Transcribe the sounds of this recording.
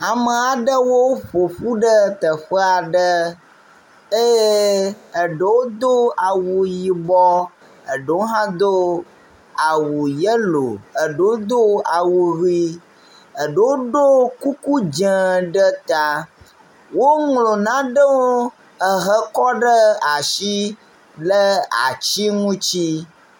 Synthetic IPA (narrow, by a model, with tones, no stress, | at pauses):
a˨mə˨a˨ɖə˦wo˦ɸo˨ɸu˦ɖə˦t̪ə˨ɸə˦a˨ɖə˦ | e˦jə˨ɖə˨wo˦d̪o˦a˨wu˨ji˨bɔ˦ | ə˨ɖə˨wo˦ɦã˦d̪o˦ | a˨wu˨jə˦lo̰˨ə˨ɖə˨wo˦d̪o˦a˨wu˨ɾi˦ | ə˨ɖə˨wo˦ɖo˦ku˦ku˦d͡ʒə˨ɖə˦t̪a˨ | wo˦ŋlo˨nã˦ɖə˦wo˦ | ə˨ɦə˦kɔ˦ɖə˦a˨ʃi˦ | lə˦a̰˨t͡ɕi˦ŋũ˦t͡ɕi˦